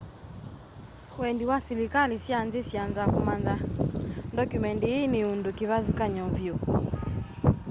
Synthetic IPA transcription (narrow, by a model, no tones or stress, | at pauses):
wɛndiwasilikalisjanzesjanzakumandandɔkjumɛndiineundukiβazikaɲɔvjo